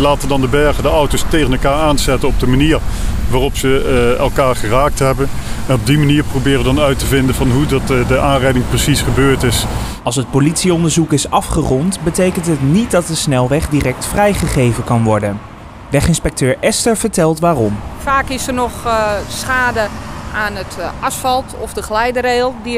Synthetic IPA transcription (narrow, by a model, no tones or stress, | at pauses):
laːtəndɑndəbɛɹχədəʌwtostejχənɛlˠkaːɹaːnsɛtənɔb̚dəmaniːɹʋaːrɔpsəɛ̰lˠkaːɹχəraːk̚tɦɛbənɛnɔb̚dimaniːɹprowbɪːrədɑnœɥtəvɪndənvɑnɦudɑtdəʔaːnrɛjdɪŋprəsisχəbøːɹtɪs | ɑlˠs̬ɦət̚politsiɔndəɹzukɪsɑfχərɔntbətejkəntɦətnit̚dɑt̚dəsnɛlˠʋɛχdirɛk̚tfrɛjχəχejvəkɑnʋɔɹdən | ʋɛχɪnspɛk̚tøːɹʔɛstəɹv̥əɹtɛlˠtʋaːrɔmfaːkɪsənɔxsχaːdəanətɑsfɑlˠtɔfdəxlɛjdəɾeːlˠdi